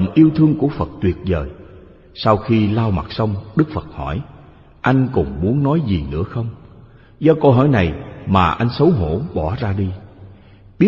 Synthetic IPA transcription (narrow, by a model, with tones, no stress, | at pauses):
ə˨nʔi˧əwt̪ʰɨ˧əŋku˧˩əfə˨˩t̚t̪wi˨˩ət̚zəː˨˩j | sa˧wxi˧laː˧wma̰˨˩t̚sə˧wŋ͡mɗɨ˦˥k̚fə˨˩t̚hɔ̰˧˩j | ʔa˧jŋ̟kʊ̰˨˩ŋ͡mmu˨˦ənːɔ˨˦jzi˨˩nɨ̰˧˥əxə˧wŋ͡m | zɔ˧ko˧ɦɔ̰˧˩jna˨˩jmaː˨˩ʔa˧jŋ̟sə˨˦wɦo̰˧˩˨ɓɔ˧˩zaː˧ɗi˧ | ɓi˦˥